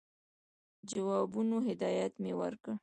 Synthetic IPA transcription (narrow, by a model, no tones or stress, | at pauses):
d͡ʒawɑbunoɦɪd̪ɑjat̪mewə̰ɾkə